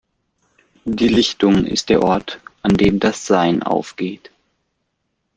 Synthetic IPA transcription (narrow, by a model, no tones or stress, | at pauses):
d̥iːlɪçtʊŋɪ̰st̚d̥eːɐʔɔɐtʔandeːmdasz̥aɪnʔa̰ʊfɡ̥eːt